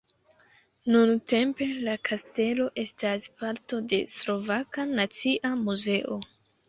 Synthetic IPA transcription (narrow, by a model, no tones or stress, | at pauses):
nunte̞mpe̞lakʰaste̞lo̞ʔe̞staspaɾto̞de̞̰slo̞vakanat͡siʔamuze̞ʔo